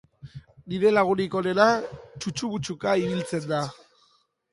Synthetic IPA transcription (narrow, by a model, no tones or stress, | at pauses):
niɾe̞laɣ̞uniko̞ɾe̞nat͡ʃut͡ʃuβut͡sukaiβilt͡se̞nd̪a